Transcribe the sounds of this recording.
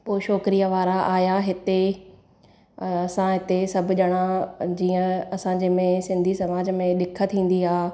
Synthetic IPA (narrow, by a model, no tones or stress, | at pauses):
poːʃɔːkɪɾijaʋaːɾaʔaːjaɦɪt̪e | ɐɐsãɦɪt̪esɐbʱʊ̆ʄɐɽ̃ãd͡ʑiːə̃ɐsãːɲd͡ʑemẽsɪ̃nd̪ʱisɐmaːd͡ʑmẽɗɪkʰə̆t̪ʰĩːn̆d̪iaː